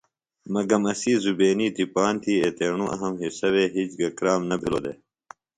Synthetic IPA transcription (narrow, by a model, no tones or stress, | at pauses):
mɐɡɐmɐsiːzubeːniːd̪ipaːnt̪ʰiːet̪eːɳũʔɐ̰ɦɐmɦisɐweːɦiːt͡ɕɡɐkɾaːmnɐbʱilo̰ːd̪ḛː